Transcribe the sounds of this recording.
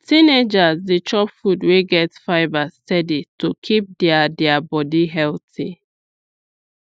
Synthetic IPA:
tined͡ʒazdit͡ʃɔpfudweɡɛtfaɪbastɛditokʰip̚dɛadɛabɔdiɦɛltḭ

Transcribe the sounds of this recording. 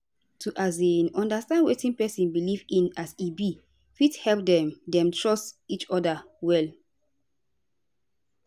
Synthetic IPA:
tʰuʔazinɔ̃ndastãndwetĩnpɛsĩnbilivĩnasibi | fithɛlp̚dɛ̃mdɛ̃mtʰɹɔstit͡ʃɔda | wɛl

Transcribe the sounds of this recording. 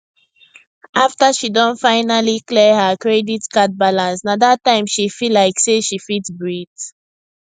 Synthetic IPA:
ʔaftaʃidɔ̃nfaɪnaliklɛhəkɹɛditkat̚balãnsnaðatãɪ̃mʃifilaɪkseʃifitsbɹid

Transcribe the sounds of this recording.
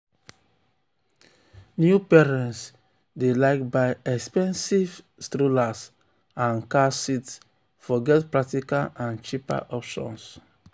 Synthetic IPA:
njupɛɹɛ̃nts | delaɪkbaɪɛkspɛ̃nsiv | stɾolas | ãnkasits | fɔɡɛtpɹak̚tikalãnt͡ʃipa̰ʔɔpʃɔ̰̃ns

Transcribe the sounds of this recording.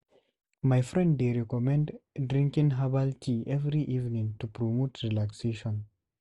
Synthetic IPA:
majfɾɛ̃nddeɾɛkɔmɛ̃nddɾĩŋkĩŋɦabaltʰiʔɛvɾiʔivnĩŋtupɾomotɾilakseʃɔ̃n

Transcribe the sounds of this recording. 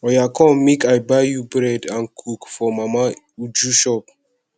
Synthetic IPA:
ɔjakʰɔ̃mikajbajjubɹɛdãnkʰukfɔmama | ud͡ʒuʃɔp̚

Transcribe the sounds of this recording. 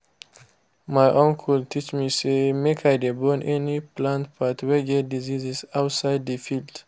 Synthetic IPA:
majʔɔ̃ŋkʰultʰit͡ʃmisemekʰajdebɔnʔɛniplãntb̥atwɛɡɛt̚dizizizaʊtsaɪd̚dəfild̥

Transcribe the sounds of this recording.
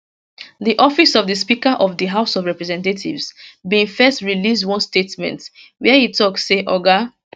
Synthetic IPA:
ðiʔɔfisɔvðəspikaʔɔvðəɦaʊsɔvɹɛpɹɛzɛ̃ntetʰḭvzbĩfɛstɹilisdwɔ̃nstetmɛ̰̃nt | wiɛjitʰɔksːeʔɔɡa

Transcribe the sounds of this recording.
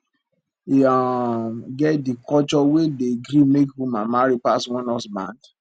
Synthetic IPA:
aɡɛtdikɔt͡ʃɔwedeɡɾimekhumamaɾipaswɔ̃nɔsbã̰nd

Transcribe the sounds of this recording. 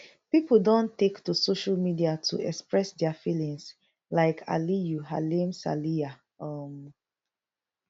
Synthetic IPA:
pipəl̩dõntektusoʃalmidiatʰṵɛkspɹɛsdɛafilĩŋs | laɪkʰa̰lijuɦa̰limsa̰lia | ʌm

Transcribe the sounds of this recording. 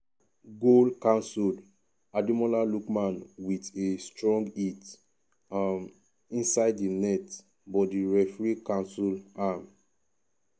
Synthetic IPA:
ɡolkãnsul | adimɔlalukmãnwitestɹɔ̃ŋɡit | m | ĩnsaɪdinɛt | bɔdiɹɛfɹikãnsulam

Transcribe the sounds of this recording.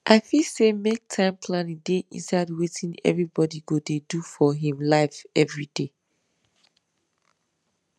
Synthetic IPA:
ʔaɪfisemek̚tʰãɪ̃mpʰlanĩdeʔḭ̃nsaɪdwetʰĩnɛ̰vɹibɔdiɡodedufɔɦĩmlaɪfɛvɹide

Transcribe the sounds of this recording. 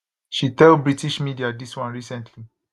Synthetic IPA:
ʃitɛlbɹitiʃmidiadiswãnɹisɛ̃ntʰli

